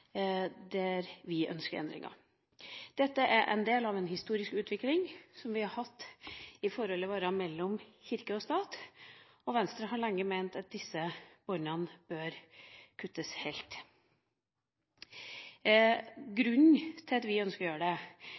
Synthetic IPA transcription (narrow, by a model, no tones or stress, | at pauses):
d̪æɾʋɪʔœ̰nskəɾɛ̰nd̪ɾɪ̰ŋɑ̰ | d̪̥ɛt̪ːəʔæɾʔɛ̰nd̪eːlɑʋɛnhɪst̪uːɾɪskʉːt̪ʋɪklɪŋsɔmʋɪhɑɾhɑt̪ːɪfɔɾhɔlːɪʋɑːɾɑmɛlːɔmçɪɾkəɔst̪ɑːt̪ | ɔʋɛnst̪ɾəɦɑɾɭɛŋːəmæɪnt̪ɑt̪̚d̪ɪsːəb̥ɔnɑnb̥øːɾkʰʉt̪ːəshɛɪlt̪ | ɡɾʉnt̪ʰɪlɑt̪ʋɪœnskəɾɔjøːɾəɖɛ